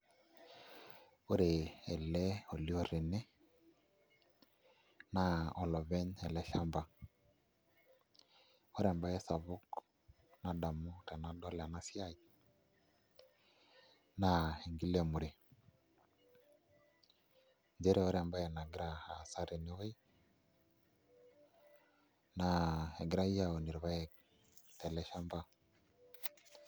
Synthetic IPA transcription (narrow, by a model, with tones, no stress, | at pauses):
o˦ɾe˨ɛ˨lɛ˦o˨li˦ɔ˦˨ɾe˨ne˦ | na˦ɔ˨lɔ˨βɛ˦ɲɛ˨lɛ˦ʃa˦mba˨ | ɔ˦ɾɛ˨mba˦ɛ˦sa˨βʊ˦k | na˨da˨mu˦ɾɛ˨na˦dɔ˦lɛ˨a˨na˦sja˦ji | na˨e˨ŋɡi˦lɛ˨mu˨ɾe˨ | nd͡ʒɛ˦ɾe˨ɔ˦ɾɛ˨mba˦jɛ˨na˨ɡi˦ɾa˨a˨sa˦ɾe˨ne˦o˦i˦ | na˨ɛ˨ɡi˦ɾa˦i˦ja˨o˨ni˨ɾi˨βa˦jɛ˨ | tɛ˨lɛ˦ʃa˦mba˦